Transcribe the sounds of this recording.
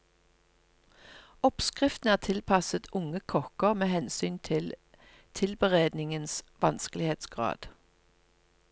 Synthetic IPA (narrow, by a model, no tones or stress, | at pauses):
ɔpskʁɪft̪n̩æːʁt̪ʰɪlpʰɑsət̪ʰʊŋəkʰɔkəʁmeːhɛnsyːnt̪ʰɪl | t̪ʰɪlbəʁeːd̪nɪŋənsʋɑnskəlɪheːt̪sɡ̥ʁɑ̰ːd̪̥